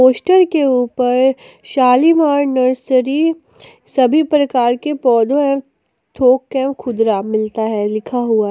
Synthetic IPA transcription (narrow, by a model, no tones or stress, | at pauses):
oːsʈəɾkeuːpəɾ | ʃaːlimaːɾnəɾsəɾi | sɐbʱipɾɐkaːɾkepɔːd̪ʱõɛ̃ | t̪ʰoːkːɛ̃ːmkʰʊd̪ɾamɪlt̪aɦɛlɪkʰaɦua